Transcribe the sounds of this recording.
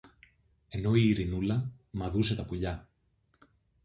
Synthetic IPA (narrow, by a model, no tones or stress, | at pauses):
e̞no̞iːɾinulɐ | mɐðuse̞t̪ɐpuʎɐ